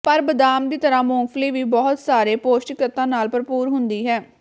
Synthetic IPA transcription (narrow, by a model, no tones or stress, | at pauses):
pəɾbəd̪aːmd̪iːt̪əɾãːmɔ̃ːŋɡfliːʋiːbɔːʊt̪saːɾeːpoːsʈkɾɪt̪ãːnaːlpəɾpuːɾɦʊnd̪iːɦɛː